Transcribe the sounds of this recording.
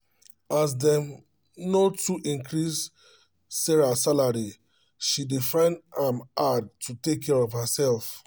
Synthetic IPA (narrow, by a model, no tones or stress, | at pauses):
asdɛ̃ | notuʔĩnkʰɹisː | ɛɹasalaɹi | ʃidefãɪ̃ndãmad̚tʰutekʰːɛɹɔvhəsɛlf